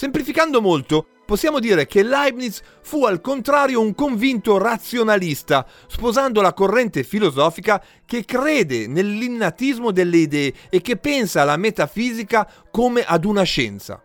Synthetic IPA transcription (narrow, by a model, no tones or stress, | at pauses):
semplifikand̪omolt̪o | posːjaːmod̪iːɾekelajbnis | fualkont̪ɾaːɾjouŋkoɱvint̪orat̪sjonalist̪a | spozand̪olakorːɛnt̪efilozɔːfika | kekɾeːd̪enelːinːat̪izmod̪elːeid̪ɛːkːepːɛnsaːlamet̪afiːzika | komeʔad̪unaʃɛ̰nt̪sa̰